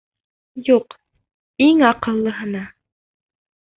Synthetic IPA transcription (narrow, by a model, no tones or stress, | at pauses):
juq | iŋɑqɤ̆llˠɤ̆ɦɤ̆nɑ